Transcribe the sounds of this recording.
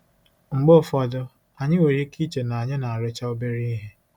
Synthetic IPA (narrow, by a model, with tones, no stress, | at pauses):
ŋ͡m̩˨ɡ͡bo˦˨fɔ˨dʊ˦ | a˨ɲɪ˦we˨ɾi˦ki˦t͡ʃe˨na˨a˨ɲɪ˦na˨a˨ɾʊ˦t͡ʃa˦o˦be˦ɾi˦i˦ɦe˦